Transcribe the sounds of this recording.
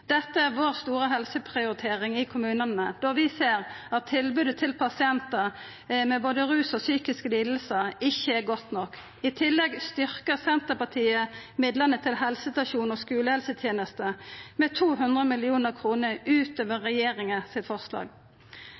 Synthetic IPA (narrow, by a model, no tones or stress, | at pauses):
d̪̥ɛt̪ːəæʁʋoːʁst̪uːʁəɦɛlsəpʰʁɪʊɾɪt̪ʰeːʁɪŋɪkʰʊmʉːnənəd̪ɔʁʋɪseːʁɑt̪ʰːɪlbʉːd̪ət̪ʰɪlpʰɑsɪɛnt̪ə | mɛboːd̪əʁʉːsɔsyːkɪskəliːd̪l̩səɪçːəæʁɡɔt̪nɔkː | ɪt̪ʰɪlːɛɡst̪ʏʁkəʁsɛnt̪əpɑt̪ʰiːəmɪd̪lənət̪ʰɪlɦɛlsəst̪ɑʃuːnɔːskʉːləhɛlsət̪ʰjeːnəst̪əmɛt̪ʰuːɦʉnd̪ʁəmɪlɪuːnəʁkʰʁuːnəʁʉːt̪oːʋəʁɛjeːʁɪŋəsɪt̪fɔʁslɑ̰ːɡ